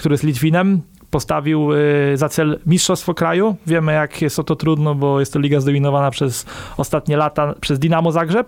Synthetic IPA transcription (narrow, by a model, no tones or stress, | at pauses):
kt̪uɾɘjslʲit̪vʲinɛm | pɔst̪avʲiwzat̪sɛlmʲiʂtʂɔst̪fɔkɾajuvʲjɛmɘjakjɛst̪ɔt̪ɔt̪ɾud̪nɔbɔjɛst̪ːɔlʲiɡazd̪ɔmʲinɔvanapʂɛsɔst̪at̪ɲɛlat̪apʂɛzd̪ʲinamɔzaɡʐɛp